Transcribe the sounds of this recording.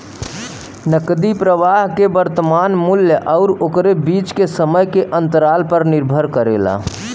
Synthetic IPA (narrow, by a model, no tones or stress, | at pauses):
nəkd̪ipɾəʋaɦkebəɾt̪əmaːnmʊljəʔɔʊɾokɾebiːt͡ʃkesəməjkeʔə̃nt̪əɾaːlpəɾnɪɾbʱəɾkəɾḛːla̰